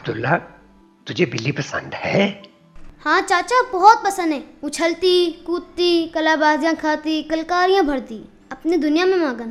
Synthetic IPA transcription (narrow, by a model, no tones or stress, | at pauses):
ɐb̚d̪ʊlːa | t̪ʊd͡ʒʱebɪlːipɐsə̰̃nd̪hɛː | hãːt͡ʃaːt͡ʃabɐɦɔt̪̚pɐsə̃nd̪ɦɛːʊt͡ʃʰəlt̪ikuːt̪t̪ikɐlaːbaːzjãkʰaːt̪ikɐlkaːɾijãbʱɐɾt̪iː | ɐpnid̪ʊnijamẽmãːɡən